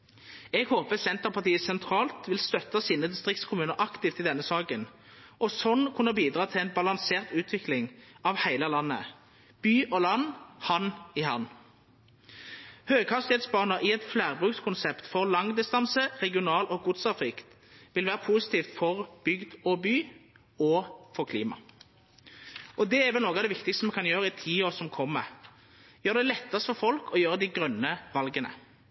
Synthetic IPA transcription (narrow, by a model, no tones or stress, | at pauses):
ɛːɡhoːpəsɛnt̪əʁpʰɑʁt̪iːəsɛnt̪ʰʁɑːlt̪ʋɪlst̪œt̪ɑsiːnəd̪ɪst̪ʁɪk̚t̪skʰʊmʉːnəʁʔɑkt̪ɪːft̪ɪd̪ɛnːəsɑːkənʔɔsɔnːkʰʊnːəbiːd̪ʁɑːt̪ʰɪlɛnbɑlɑnseːʁt̪ʉːt̪ʰʋɪklɪŋʔɑʋhæɪləlɑnːə̰ | b̥yːʔɔlɑnːhɑnːihɑn | høːɡkʰɑst̪ɪeːt̪sbɑːʁnəʔɪɛt̪flæːʁbʁʉːkskʰʊnsɛpt̪fɔʁlɑŋd̪ɪst̪ɑnsəʁɛɡɪʊnɑːlɔɡuːd̪sɑʁfʁɪkt̪ | ʋɪlʋæːʁəpʰuːsɪ̥t̪ʰiːft̪fɔʁb̥ʏɡd̪ɔbyː | ɔfɔʁkʰlḭːmɑ̰ | ʔɔd̪ɛæʁʋɛlnoːɡɑd̪ɛʋɪkt̪ɪkst̪əmɛkʰɑnjøːʁəɪt̪ʰiːoːʁsɔmkʰɔmːə̰ʁ | jøːʁd̪ɛlɛt̪ːɑsfɔʁfɔlkʰɔjøːʁəd̪ɪɡʁœnːəʋɑlɡənə̰